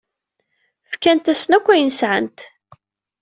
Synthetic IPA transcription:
fkænt̪æsnækʷːæjənsʕənt̪

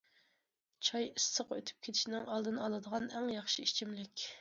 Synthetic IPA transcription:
t͡ʃʰɑjisːəqøt̪ʰy̥p̚kʲʰet̪ʰʃinɪŋɑlˠd̪ɨnɨɑlˠɨd̪əʁɑnæŋjɑχʃiit͡ʃʰimlɪkʲ

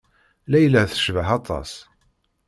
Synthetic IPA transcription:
læjlːəθə̥ʃvəħɑt̪ˤɑ̰s

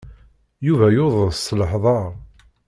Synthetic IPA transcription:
juvæjoðˤəðsːləħðˤɑɾˤ

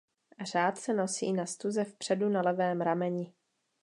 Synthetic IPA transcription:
ar̝aːt̪sɛno̞sḭːnast̪uzɛfpr̝̥ɛdunalɛvɛːmɾamɛɲɪ

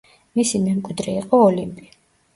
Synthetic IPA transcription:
misimɛmkʼwid̪ɾɛiqʼɔɔlimpʼi

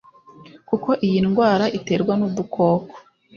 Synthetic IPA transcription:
kuko̞ʔijinɡwaːɾaʔite̞ːɾɡwanud̪ukʰo̞ːko̥

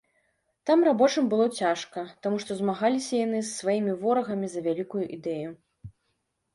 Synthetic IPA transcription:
t̪amrabɔt͡ʂɨmbɨlˠɔt͡sʲaʂkɐt̪amuʂt̪ɔzmaɣalʲisʲɐjanɨsːvajimʲivɔɾɐɣɐmʲizɐvʲalʲikujuʔid̪ɛju

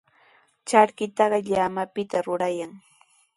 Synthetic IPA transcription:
t͡ʃaɾkɪt̪ɑɢɑʎamapɪt̪aɾʊɾajaŋ

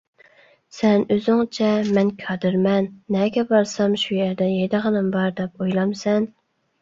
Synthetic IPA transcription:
sɛnøzɪŋt͡ʃʰɛmɛnkʲʰɑd̪ɨɾmɛnːɛɡʲɛbɑɾsɑmʃujæɾd̪ɛjed̪ɨʁənɨmbɑɾd̪ɛp̚ojlˠɑmsɛn

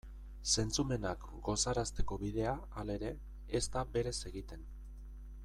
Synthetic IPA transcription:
se̞nt͡sume̞nak | ɡo̞saɾast̪e̞ko̞βið̞e̞a | ale̞ɾe̞ː | st̪aβe̞ɾe̞se̞ɣit̪e̞n

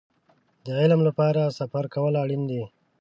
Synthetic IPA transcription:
d̪əʕɪlmlapɑːɾasafaɾkawəlaɽind̪i

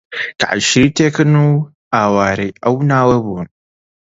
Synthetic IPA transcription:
ka̰ʔaʃitekənu | awaːɾeʔawnawɐbu

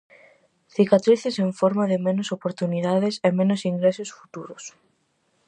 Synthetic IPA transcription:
θikat̪ɾiθɪseɱfɔɾmaðɪmenosopoɾt̪uniðaðɪsemẽnʊsiŋɡɾesosfu̥t̪uɾʊs

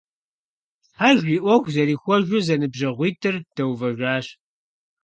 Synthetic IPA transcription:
ħaʒʷiːʔʷɔxʷzɐɾiːxʷɔʒʷʊzɐnɨbʑɐʁʷiːtʰɨrd̥ɐwvɐʒʷaːɕ

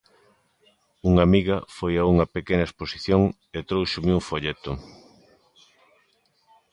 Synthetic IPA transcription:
uŋamiɣɐfojauŋɐpekenɐesposiθjoŋ | et̪ɾowʃʊmeuɱfoʎet̪ʊ

